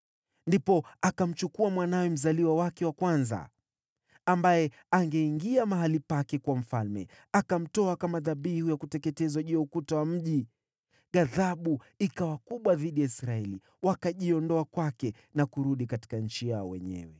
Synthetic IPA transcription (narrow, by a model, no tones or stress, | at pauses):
ndipɔakam̩t͡ʃukuamwanawɛm̩zaliwawakɛwakwanza̰ | ambajɛ | aŋɡɛiŋɡiamaɦalipakɛkwam̩falmɛ̰ | akam̩tɔakamaðaɓihujakutɛkɛtɛzaʄuɔukutawam̩ʄi | ɣaðaɓu | ikawakuɓwaðiɗijaisɾaɛli | wakaʄiɔndɔakwakɛ | nakuɾuɗikati̥kaɲ̩t͡ʃijaɔwɛ̰ɲɛ̰wɛ